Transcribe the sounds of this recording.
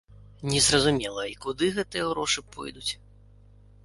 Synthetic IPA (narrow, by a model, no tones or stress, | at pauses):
nʲɛzrɐzumʲɛlˠɐikud̪ɨɣɛt̪ɨjɛɣɾɔʂɨpɔ̰jd̪ut͡sʲ